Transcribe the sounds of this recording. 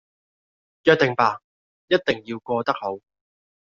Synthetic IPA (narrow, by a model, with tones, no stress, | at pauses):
jœː˧k̚t̪ɪ˨ŋpaː˨˩ | jɐ˥t̚t̪ɪ˨ŋji˧wkɔː˧t̪ɐ˥k̚ho˨˥w